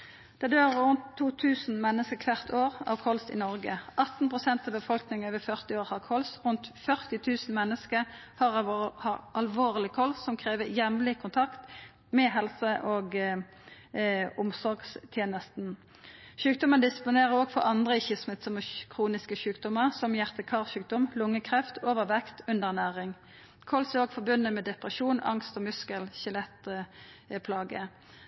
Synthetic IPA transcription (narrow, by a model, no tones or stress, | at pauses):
d̪̥ɛd̪øːʁʁʉnt̪ʰːuːt̪ʰʉːsn̩mɛnːəskəkʰʋæʁt̪ʰoːʁɑ̰ːʋkʰɔlsɪ̰nɔʁɡəʔɑt̪n̩pʰʁʊsɛnt̪ɑʋbəfɔlknɪŋøːʋəfœʁt̪ɪoːʁhɑʁkʰɔlsʁʉnt̪fœʁt̪ɪt̪ʰʉːsn̩mɛnːəskəʁ | hɑːʁhɑʁɑlʋoːʁlɪkʰɔlsːɔmkʰʁeːʋəjɛmlɪkʰʊnt̪ʰɑkt̪ | mɛɦɛlsəʔoːɡ | ʊmsɔɾɡst̪ʰjeːnəst̪n | ʃʉːk̚d̪ɔmənd̪ɪspʊneːʁəoːɡfɔʁɑnd̪ʁəɪçəsmɪt̪sɔməkʰʁuːnɪskəʃʉːkd̪ɔməʁsɔmjæʁt̪əkʰɑːlʃʉːk̚d̪ɔmlʊŋːəkʰʁɛft̪ʰoːʋəʋɛkt̪ʉnd̪əʁnæːʁɪŋ | kʰɔlsɛʁoːɡfɔʁbʉnːəmɛd̪ɛpʁəʃuːnɑ̰ŋst̪ɔmʉskəlçɪlɛt̪ | pʰlɑːɡə